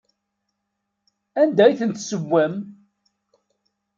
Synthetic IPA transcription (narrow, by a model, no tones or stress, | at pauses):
ænd̪æjθənt̪səwːæm